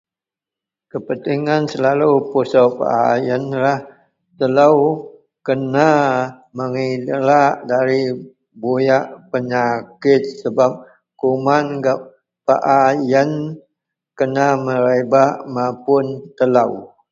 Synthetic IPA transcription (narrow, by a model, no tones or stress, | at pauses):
kəpənt̪iŋansəlalupusawpa̰ʔajənlah | t̪əlaw | kəna | məŋidlaʔdaɾi | bojaʔpəɲakɪt̪̚səbap̚ | kumanɡap̚ | paʔajən | kənaməɾebaʔmapʊnt̪əlaw